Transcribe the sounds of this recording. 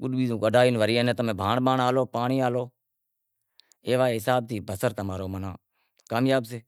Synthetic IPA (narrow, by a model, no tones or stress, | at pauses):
kʊɗɓiːzõːkəɖaːjinʋəɾiːẽːnẽːt̪əmẽːbʱaːɳɓaːɳaːloːpaːɳiːaːloː | eːʋaːeːɦɪsaːb̚t̪ʰiːbəsəɾt̪əmaːɾoːmənãː | kaːmjaːbseː